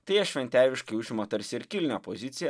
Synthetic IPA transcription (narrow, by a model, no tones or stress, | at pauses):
t̪ɐɪjɛʃʲʋʲɛnʲt̪ʲæːʋʲɪʃkɐɪʊʒʲɪmot̪ɐɾʲsʲɪɪɾkʲɪlʲnʲɛpozʲɪt̪sʲɪjɛ